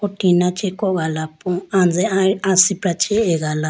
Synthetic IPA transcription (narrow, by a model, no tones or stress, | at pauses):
otinat͡ʃʼɛkʼɔkalapʰʼɔand͡zʱɛasibɾat͡ʃʰʼɛɛk̬ala